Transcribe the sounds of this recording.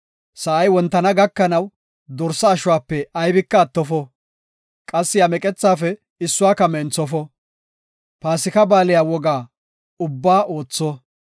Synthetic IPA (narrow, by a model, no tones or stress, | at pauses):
sɐʔɐjwɔnt̪ːɐnɐɡɐkːɐnɐw | d̪ɔɾsɐːʃʊwaːpːɛɐjbɪkːɐːt̪ːɔfɔ | kʼɐsːɪɐmɛkʼɛt͡sːaːfɛ | ɪsːʊaːkɐmɛnt͡sːɔfɔ | paːsɪkɐbaːlɪjaːwɔɡaː | ʊbːaːʔo̞ːt͡sːɔ